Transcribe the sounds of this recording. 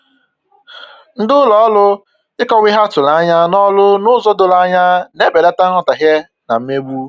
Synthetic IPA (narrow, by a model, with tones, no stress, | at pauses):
n̩˦dʊ˦lɔ˨˦lʊ˦ | ɪ˦kɔ˦wɪ˦ɦa˦tʊ˨la˦ɲa˦nɔ˦lʊ˦nʊ˦zɔ˦dʊ˨la˦ɲa˦ne˦be˨da˦ta˦ŋɔ˨ta˨ɦje˦ | na̰˨m̩˦me˦ɡ͡bu˦